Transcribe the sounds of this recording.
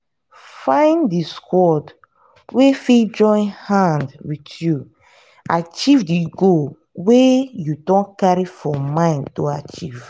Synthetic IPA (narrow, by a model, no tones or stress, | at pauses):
fãɪ̃ndiskʰwɔd | wefid͡ʒɔ̃ɪ̃nhãndwitʰju | at͡ʃivdiɡo | wejudɔ̃nkaɹifɔmãɪ̃ntoat͡ʃiv̥